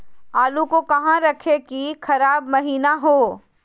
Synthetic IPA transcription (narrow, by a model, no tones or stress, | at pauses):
aːlukokɐɦãɾɐkʰekikʰɐɾaːbmɐɦiːnaɦoː